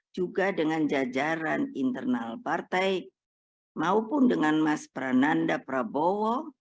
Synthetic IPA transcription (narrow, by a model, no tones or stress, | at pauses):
d͡ʒuɡadəŋand͡ʒad͡ʒaɾanint̪ərnalpart̪ɛj | maupʊndəŋanmaspəɾanandapəɾabowɔ